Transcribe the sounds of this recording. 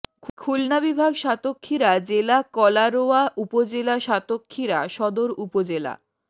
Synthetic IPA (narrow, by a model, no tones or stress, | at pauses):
kʰkʰulnabibʱaɡʃat̪okʰːiɾad͡ʑelakɔlaɾoaʔupod͡ʑelaʃat̪okʰːiɾaʃɔd̪oɾupod͡ʑela̰